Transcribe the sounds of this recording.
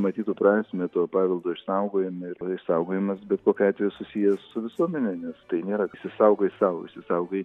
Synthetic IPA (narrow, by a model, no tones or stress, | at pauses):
mɐt̪ʲiːt̪upɾɑːsʲmʲɛt̪uɔpɑːʋʲɛlˠd̪oːɪʃsɐʊɡoːjɪmɪrɪʃsɐʊɡoːjɪmɐsbʲɛt̪koːkʲɑːt̪ʲʋʲejusʊsʲijɛsʊʋʲɪsuɔmʲɛnʲɛnʲɛst̪ɐɪnʲeːɾɐʃʲsʲɪsɐʊɡoːɪsɐʋɪ̰ʃʲsʲɪsɐʊɡɐɪ